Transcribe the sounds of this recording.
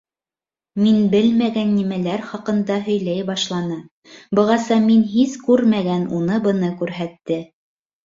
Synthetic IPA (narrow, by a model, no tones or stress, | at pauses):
minbɘlmæɡænːimælæɾχɑqɤ̆nd̪ɑɦɵ̆jlæjbɑʃlˠɑnɤ | bɤ̆ʁɑsɑminɦizkʉɾmæɡænunɤbɤ̆nɤkʉɾɦæt̪ːɘ